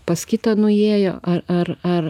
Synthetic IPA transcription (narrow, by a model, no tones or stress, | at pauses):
pɐskʲɪt̪ɐnʊeːjo̰ːʔɐɐrɐr